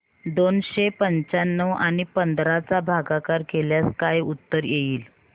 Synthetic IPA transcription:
d̪onɕepəɲt͡sanːəʋaɽ̃ipənd̪ʱɾat͡sabʱaɡakaɾkʰeljaskajut̪ːəɾjeiːl

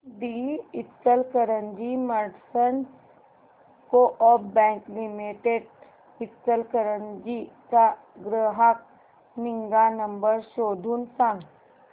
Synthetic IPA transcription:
d̪iɪt̪səlkəɾə̃nd͡ʒimɐɾɖsən | koʔɔːbɛ̃ːŋklɪmiʈeɖ | ɪt̪ːəlkəɾənd͡ʒika | ɡɾəɦak̚ | nɪ̃ŋɡanɐ̃mbəɾʃoːd̪ʱunsãŋ

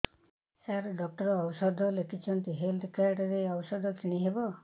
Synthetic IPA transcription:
saɾɖɔk̚ʈɔɾɔːwsɔd̪ʱɔlekʰit͡ʃʰɔnt̪iɦelt̪ʰkaɾʈɾeɔwɔsɔd̪ʱɔk̪ʰiɽ̃iɦebɔ

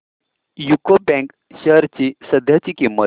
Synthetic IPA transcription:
jukobɛ̃ŋk | ɕəɦɾt͡ɕisəd̪ʱjat͡ɕikimə

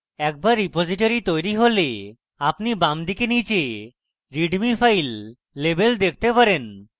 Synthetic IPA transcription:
ɛk̚baɾːipod͡ʑiʈoɾit̪ojɾiɦole | apnibamd̪ikenit͡ɕe | ɾiɖmifʰajlː | ebeld̪ek̚ʰt̪epaɾen

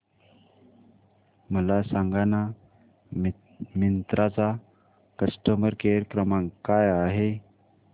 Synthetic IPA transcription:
məlasaŋɡana | mint̪ɾat͡sa | kəsʈəməɾkeɾkɾəmãŋkajaɦe

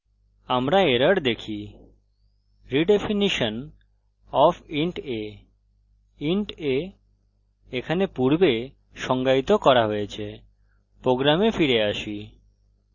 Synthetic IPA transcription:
amɾaeɾəɾd̪ekʰi | ɾiɖefiniʃon | ɔfiɳʈe | iɳʈe | ekʰanepuɾbe | ʃɔŋɡait̪okɔɾaɦojet͡ɕʰe | pɾoɡɾamefiɾeaʃi

